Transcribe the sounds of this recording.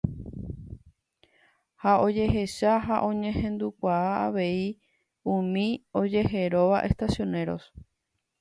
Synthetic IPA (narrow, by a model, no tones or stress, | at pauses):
hao̞d͡ʒe̞ɦe̞ʃaɦaʔõ̞ɲẽ̞ɦẽ̞nd̪ukʷaaaʋe̞i | ũmĩo̞d͡ʒe̞ɦe̞ɾo̞ʋaʔe̞st̪asjo̞ne̞ɾo̞̰s